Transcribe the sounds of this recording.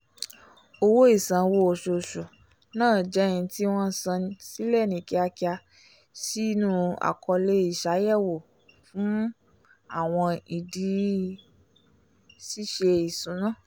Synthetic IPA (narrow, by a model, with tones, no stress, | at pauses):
o˧wo˦i˦˨sã˨wo˧o˨ʃo˨ʃo˨ | nãː˦˨d͡ʒɛ˨˦ĩ˧˦ti˦w̃ɔ̃˦sã˧si˦lɛ˦˨nĩ˨ki˧a˧ki˧a˧ | si˦nũ˦a̰˨kʰɔ˧le˦i˦˨ʃa˨˦jɛ˦˨wo˨ | fũ˨˦ | a˦˨w̃ɔ̃˧i˨di˨˧˦ | si˦ʃe˧i˨sũ˨˦nã˦˨